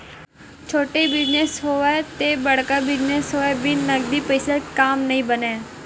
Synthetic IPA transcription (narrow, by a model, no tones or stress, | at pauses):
t͡ʃʰoːʈebɪd͡ʒnesɦoːɛt̪eːbəɽkaːbɪd͡ʒnesɦoːɛːbʱiːnəɡd̪iːpeːseːkaːmnəĩːbənẽː